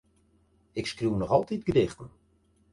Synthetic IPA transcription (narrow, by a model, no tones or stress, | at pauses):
ɪkskruwnɔχɔlˠtit̚ɡ̥ədɪxtən̩